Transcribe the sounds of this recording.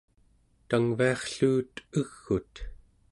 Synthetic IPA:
t̪aŋviɑχɬuːt̪əɣːut̪

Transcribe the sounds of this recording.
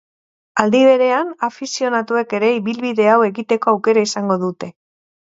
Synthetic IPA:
ald̪iβ̞e̞ɾe̞anafisio̞nat̪ue̞ke̞ɾe̞iβilβiðe̞awe̞ɣit̪e̞ko̞awke̞ɾaisaŋɡo̞ðut̪e̞

